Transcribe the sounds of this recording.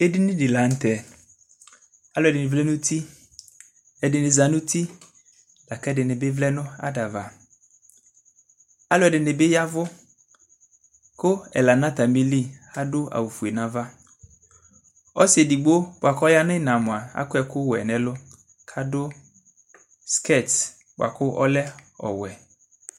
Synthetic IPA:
e˦di˦nɪ̃˦di˨la˨˦n̩˦t̪ɛ˨ | a˦lʊ˨ɛ˨dɪ˨nɪ˨vlɛ˦nʊ̃˦t̪i˦ | ɛ˨dɪ˨nɪ˨za˨nʊ̃˦tʰi˦ | la˨kɛ˦dɪ˨nɪ̃˨bɪ˦vlɛ˦nʊ̃˦a̰˦da˨va˨ | a˦lʊ˨ɛ˨dɪ˨nɪ˨bɪ˦ja˦vʊ˦ | kʊ˦ɛ̰˨la˨nã˦t̪a˨mi˦li˦˨a˦dʊ˦a̰˨wu˨fu˨e˨nã˨va˦ | ɔ˦sɪ˦e˨di˨ɡ͡bo˦bʊ˨a˨kɔ˦ja˦nʊ̃˦nã˨mʊ̃˨a˨a̰˦kʊ˦ɛ˨kʊ˦wɛ˨nɛ̃˨lʊ˦ | kʰa˦dʊ˦ | ske˦t | bʷa̰˨kʊ˦ʔɔ̰˦lɛ˦ɔ̰˨wɛ˨

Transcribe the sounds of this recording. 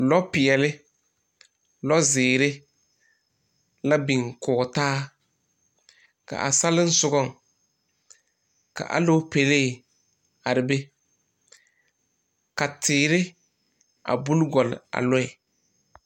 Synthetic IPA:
lɔ˦pɪ˨ɛ˨lɪ˦ | lɔ˦zɪː˨ɾɪ˦ | la˦bi˨ŋkʊː˨ɡɔ˨taː˦ | ka̰˨ʔa̰˨sa˦lɪ˦n̩˦sʊ˨ɡɔ˦˨ŋ | ka̰˨ʔa̰˨lo˦pe˨le˦˨ | a˨ɾɪ˨be˦ | ka˨tʰɪː˨ɾɪ˦ | a̰˨bu˦lɡɔ˨lɪ̰˨a̰˨lɔ˦ɪ˨

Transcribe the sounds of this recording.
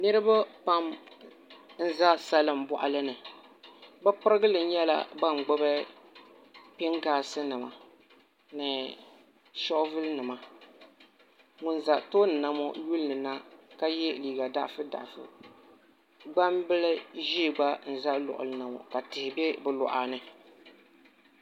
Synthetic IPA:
nɨ˦ɾɨ˦ba˦pa˦m | n̩˦za˦sa˦lɨ˦˨m˨bɔ˨ʔa̰˦lɨ˦nɨ˨ | bɛ˦pɨ˦ɾɨ˦ɡɨ˦lɨ˨n̩˦ɲɛ˦la̰˦ba˦˨ŋ͡m̩˨ɡ͡bɔ˦bɛ˦ | pɪ˦ŋɡaː˨sɨ˦nɨ˨ma̰˨ | nɨ˨ | ʃɔ˦ʔvɨ˦lnɨ˨ma˨ | ŋʊ˨n˨za˨ʔto˦nɨ˨na˦mɔ˦ju˦lnɨ˨na˦ka˦jɛ˦˨liː˨ɡa˨da̰˦ʔfɨ˦da̰˨ʔfɨ̰˨ | ɡ͡ba˦mbɨ˦lɨ˦ʒi˦˨ɡ͡ba˦n̩˨za˦lɔ̰˨ʔʊ̰˨lɨ˦na˨mɔ̰˨ka˨tɪ˨hɪ˨bɛ˦bɨ˨lɔ̰˨ʔaː˨nɨ˨

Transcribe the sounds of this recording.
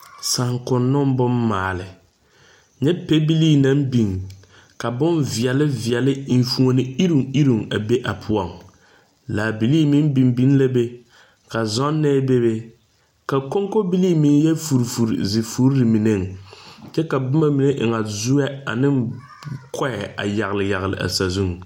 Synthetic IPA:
sa˨ŋkʊ˨nːʊ˦m˦bʊ˦mːaː˨lɪ˨ | ɲɛ˦pe˦bi˦liː˦na˦mbi˨ŋ | ka˨bʊ˦nvɪ˨ɛ˨lɪ˦vɪ˨ɛ˨lɪ˦i˨nfu˦ŋo˨nɪ˦i˦ɾu˨ŋi˦ɾu˨ŋa˨be˦ʔa˨pʰʊ˦ɔ˨ŋ | laː˨bi˨liː˦mɪ˦n˦bi˨mbi˦n˦la˦be˦ | ka˨zɔ˦nːɛ˦be˦be˦ | ka˨ko˦ŋko˦bi˦liː˦mi˨˦n˦jɛ˦fu˨ɾfu˨ɾ̰zɪ˨fu˦ɾɾɨ˨mi˨ne˦˨ŋ˨t͡ʃɛ˦ka˨bʊ˦ma˦mi˨ne˦ʔɪ̰˨ŋa˨zu˦ɛ˦a̰˨nɪ˦ŋ | kʰɔ˦ɛ˨a̰˨ja˨ɣlɪ˨ja˨ɣlɪ̰˨ʔa̰˨sa˨zu˦ŋ˨

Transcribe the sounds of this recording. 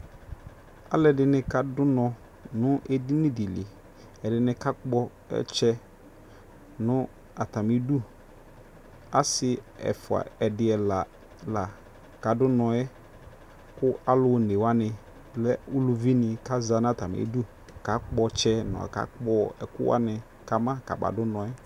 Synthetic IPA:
a̰˦lɛ˨dɪ˨nɪ̃˦ka˨dʊ˦nɔ̃˨ | nʊ̃˦ʔe˦di˦nɪ̃˦di˨lɪ˨ | ɛ˨dɪ˨nɪ̃˦ka˦k͡pɔ˦ | ɛ̰˦t͡ʃɛ˦ | nʊ̃˦ | a˨ta˨mɪ˨˦du˦ | a˦sɪ˦ɛ̰˨fʊ˨a̰˨ɛ˨dɪ˨ɛ˨la˨ | la˨ | ka˨dʊ˦nɔ̃˨ɛ˦ | kʊ˦a˦lʊ˨˦˨ne˨wa˦nɪ̃˨ | lɛ˦u˦lu˦vi˦nɪ̃˨ka˦za˨n˦a˨ta˨m̰˨ḛ˨du˦ | ka˨˦k͡pɔ˦t͡ʃɛ˦nʊ̰̃˨a̰˨ka̰˦k͡pɔ˦ɛ˨kʊ˦wa̰˦nɪ̃˨ | ka˨mã˦ka̰˨ba̰˨dʊ˦nɔ̃˨ɛ˦

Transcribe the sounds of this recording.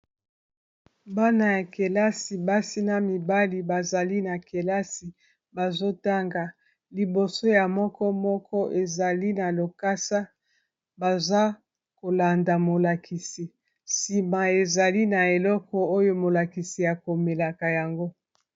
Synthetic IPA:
ba˦na˨ja˨ke˨la˦si˨ba˦si˦na˦mi˨ba˦li˨ba˨za˨li˦na˨ke˨la˦si˨ | ba˨zo˦ta˦ŋɡa˨ | li˨bo˨so˦ja˨mɔ˦kɔ˦mɔ˦kʰɔ˦ʔe˨za˨li˦na˨lo˨ka˦sa˦ | ba˨za˦ | ko˨la˨nda˨mo˨la˨kʰi˨si˨ | si˨ma˨e˨za˨li˦na˨e˨lɔ˦kɔ˦o˦jo˦mo˨la˨ki˨si˨ja˨ko˨me˨la˨ka˨ja˨ŋɡo˦

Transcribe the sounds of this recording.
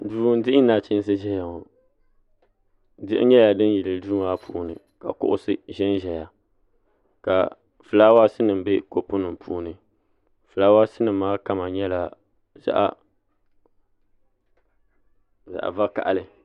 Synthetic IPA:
duː˨˦dɪ˦ɪ˦naː˨t͡ʃɪ˦n˦s̬ɨ˦ʒɛ˦ja˨ŋo˨ | dɪ˦ʔɪ̰˦ɲɛ˦ja˨dɨ˦n˦ji˨lɨ˨duː˦a˦pʰṵː˦nɨ̰˨ | ka̰˨kʊ̰˦ʔʊ̰˦sɨ˦ʒɛ˦nʒɛ˨ja˨ | ka̰˨ | fɨ˨laː˦wa˦sɨ˦nɨ˨m˨be˦ko˨pʊ˦nɨ˨m˨pʰuː˦nɨ˨ | fɨ˨laː˦wa˦sɨ˦nɨ˨mː˦aː˦ka˦ma˨ɲɛ˦la˨ | za̰˦ʔa̰˨ | za̰˨ʔa̰˨va˦ka̰˨ʔa˨lɨ˨

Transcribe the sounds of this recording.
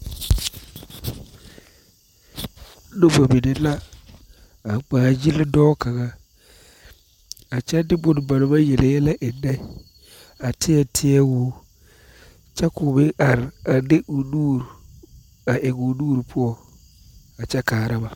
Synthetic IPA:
no˦va˨mi˨ne˨la˦ | a˨k͡paː˨d͡ʒi˦ldɔː˦ka˨ɣa˦ | a˨t͡ʃɛ˦dɪ˦bʊ˨n˨ba˨nʊ˨ma˦jɛ˨le˨jɛ˦la˦ʔɪ˨nːa˦ | a˨tʰɪ˦ɛ˦˨tʰɪ˦ɛ˦wʊː˦ | t͡ʃɛ˦kʊ˨bɪ˦ʔa˨ɾa˨dɪ˦ʔʊ˨nuː˦ɾ | a˨ʔɛ˨ɡʊ˨nuː˦ɾpʰʊ˦ɔ˨ | a˨t͡ʃɛ˦kaː˨ɾa˦ba˨

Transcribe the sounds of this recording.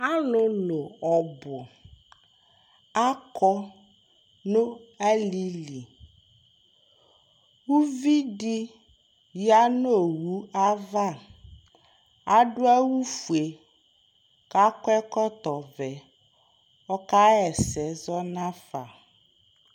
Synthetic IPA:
a˦lʊ˨lo˨ɔ˨bʊ˨ | a˦kɔ˦ | nʊ˦a˦li˦li˨ | wu˦vi˦dɪ˦ | ja˦noo˦˨wu˦a˦va˦˨ | a˦dʊ˦a˦wu˦fu˨e˨ | ka˦kɛ˦kɔ˦t̪ɔ˨vɛ˨ | ɔ˦ka˦ɛ˨sɛ˨zɔ˦nã˦fa˨

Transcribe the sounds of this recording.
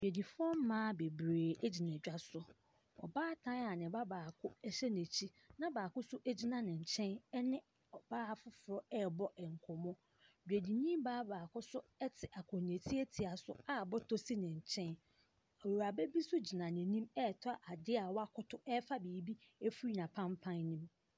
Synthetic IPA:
bᶣe˨di˨fʊ˦ɔ˦m̩˦mːãː˦be˨bɾeː˨ɛ˦d͡ʑi˨nɛ̃˨d͡ʑᶣa˦sʊ˨ | ɔ̰˨baː˦tʰã˦a˨nɪ̃˨ba˦baː˨kʰʊ˦ɛ˦ɕɛ˦ne˨t͡ɕʰi˦ | nã˦baː˨kʊ˦sʊ˦ʔe˦d͡ʑi˦nã˨nɪ̃˨ɲ̩˨t͡ɕʰɛ̃˦nɛ˦nɪ̃˦ | ɔ˨baː˦˨fʊ˦fʊ˨ɾɔ˦ɛ˦bɔ˦ɛ˨ŋ˨kʰɔ˨mɔ̃˦ | dᶣe˨di˨nĩ˦baː˦baː˨kʰʊ˦sʊ˦ɛ˦tʰɪ˨ʔa˨kʰɔ̃˨n˨e˨tʰi˦e˦tʰi˨a˨sʊ̰˦a˦˨bɔ˦tʰo˦si˦nɪ̃˨ɲ̩˨t͡ɕʰɛ̃˦n | ɔ˨wo˨ɾa˨bɛ˦bi˦sʊ˦d͡ʑi˨nã˨nɪ̃˨nĩ˦mɛ˦˨tʰʊ˦a˨ʔa˨dɪ˦a˨wa˦kʰʊ˦tʰʊ˦ɛ˦fa˦biː˨˦bi˦e˦fu˦i˦nã˨pʰã˦mpʰã˦nːĩ˦m

